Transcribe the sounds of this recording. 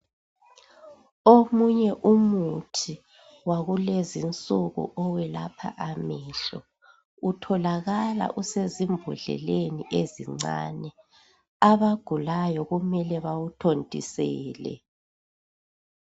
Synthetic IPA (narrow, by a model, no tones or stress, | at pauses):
omuɲɛʔumutʰi | waɣulezint͡sʼuɣṵʔɔwɛla̰pʰa̰ʔamɛːɬɔ | utʰɔlaɣala̰ʔusezimbʱuɮɛ̰leniʔeziŋ͡ǀa̰ːnɛ | aβaɡ̥ʱulajɔɣumɛlɛβawutʰontʼḭsɛ̰ːlɛ̰